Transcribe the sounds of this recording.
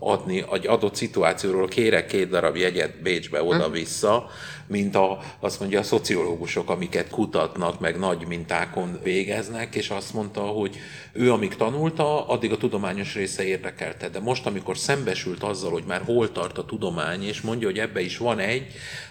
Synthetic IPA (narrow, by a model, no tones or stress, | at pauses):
ɒ̰d̪niʔɛɟɒd̪o̞t̪sit̪uaːt̪sijoːɾoːlkeːɾɛkːeːt̪̚d̪ɒɾɒbjɛɟɛd̪beːd͡ʒbɛ̰o̞d̪ɒvisːɒ | mint̪ɒ | ɒst̪mo̞ɲɟɒːso̞t̪sio̞loːɡuʃo̞kɒmikɛt̪kut̪ɒt̪nɒkmɛɡnɒɟmint̪aːko̞nveːɡɛznɛkeːʃɒst̪mo̞nt̪ɒɦo̞ɟ | øːɒmikt̪ɒnult̪ɒɒd̪ːiɡɒt̪ud̪o̞maːɲo̞ʃreːsɛeːrd̪ɛkɛ̰lt̪ɛd̪ɛmo̞ʃt̪ɒmiko̞rsɛmbɛʃylt̪ɒzːɒlho̞ɟmaːrɦoːlt̪ɒrt̪ɒt̪ud̪o̞maːɲeːʃmo̞ɲɟɒɦo̞ɟɛbːɛiʃʋɒnɛɟː